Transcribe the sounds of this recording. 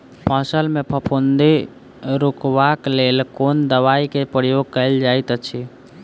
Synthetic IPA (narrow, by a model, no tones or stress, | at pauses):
paːsəlmẽpʰəpʰond̪i | ɾukʋaklelkoːnd̪əʋaikepɾjoɡ̚kəɪld͡ʒait̪ət͡ʃʰi